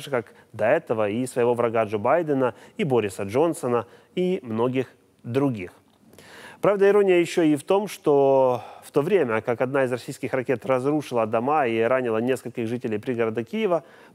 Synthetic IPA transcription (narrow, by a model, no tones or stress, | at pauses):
ʐɨkak | d̪ɐɛt̪əvəisvəjɪvo̞vɾɐɡaʐobajd̪ənəibo̞ɾʲɪsəʐo̞nsənə | imno̞ɡʲɪx | d̪ɾʊɡʲix | pɾavd̪əɪɾo̞nʲɪjəjɪɕːoɪft̪o̞mʂt̪o̞ft̪o̞vɾʲemʲəkakɐd̪naɪzrɐsʲijskʲɪxrɐkʲe̞t̪rɐzɾuʂɨlˠəd̪ɐmaiɾanʲɪlˠənʲe̞skəlʲkʲɪɣʐɨtʲɪlʲeɪjpɾʲɪɡəɾɐd̪akʲijɪvə